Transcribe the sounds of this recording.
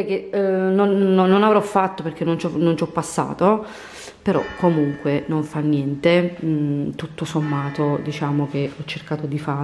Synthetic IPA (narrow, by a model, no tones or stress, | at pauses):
ɛjkenːonːonːonavɾɔfːat̪ːoperk̟ːenːont͡ʃɔnont͡ʃɔpːasːa̰ːt̪o | peɾɔ̰kʰːomuŋkwenoɱfanːjɛnt̪e | t̪ut̪ːosomːaːt̪od̪it͡ʃaːmok̟eɔt͡ʃːerkaːt̪od̪ifaː